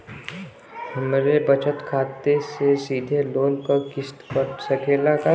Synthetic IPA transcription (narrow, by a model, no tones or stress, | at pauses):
hɐmɾebɐt͡ʃət̪kʰaːt̪esesiːd̪ʱeloːlkokɪst̪kəsəkʰeːlaka